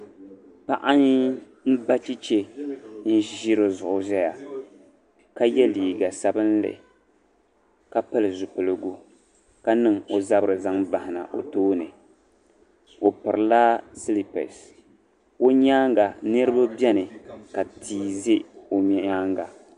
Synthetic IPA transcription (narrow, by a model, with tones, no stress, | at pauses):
pa˦ʔa˦ɲ˦ | m̩˦ba˦t͡ʃi˦t͡ʃe˦n̩˦ʒi˦ɾɨ˨zʊ˨ʔʊ˨zɛ˦ja˨ | ka˦jɛ˦liː˨ɡa˨sa˦bɨ˦n˦lɨ̰˨ | ka˦pa˦lɨ˨zʊ˨pɨ˨lɨ˨ɡu˦ | ka˦nɨ˨ŋo˨za˦bɨ˨ɾɨ˨za˦ŋba˨hɪ˨na̰˨ʔo̰˨toː˦nɨ˨ | o˨pɨ˨ɾɨ˨la˦si˦li˨pɛ̰˨s | o˦ɲaː˦ŋɡa˨nɨ˦ɾɨ˦ba˦bɛ˦nɨ˨ka˨tʰiː˦ze˦o˨mɛ˨aː˦ŋɡa˨